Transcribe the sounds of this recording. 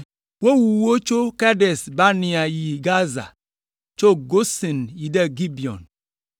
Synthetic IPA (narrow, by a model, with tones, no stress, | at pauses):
wo˦wu˨wo˦t͡ʃo˦ka˦de˨sba˦ni˨a˨ji˨ɡa˦za̰˨ | t͡ʃo˦ɡo˦si˨nji˨da˦ɡi˦bi˨ɔ̰˨n